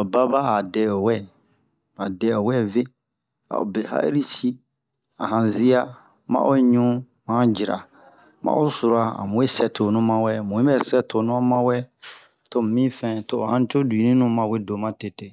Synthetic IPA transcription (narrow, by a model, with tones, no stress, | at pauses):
ɔ˨ba˦ba˦a˨dɛ˨ɔ˨wɛ˦˨ | a˨dɛ˨ɔ˨wɛ˦ve˦ | a̰˨o̰˨be˨ha̰˦ʔḛ˦ɾi˦si˦ | a̰˨ɦã˨zi˦a˦ | mã̰˦ʔo˦ɲũ˦ | mã˨˦ã˦d͡ʒi˨ɾa̰˨ | mã̰˦ʔo˦su˨ɾa˨a̰˨mũ˨e˦sɛ˨tʰo˨nũ˦mã˦wɛ˦˨mũ˨ĩ˦ɛ˦˨sɛ˦tʰo˨nũ˦a˦mã˦wɛ˦˨ | to˦m˨mĩ˦fɛ̃˦˨to˦˨hã˦n˦t͡ʃo˦du˨i˨nĩ˦nũ˦mã˨we˦do˨mã˦te˨te˦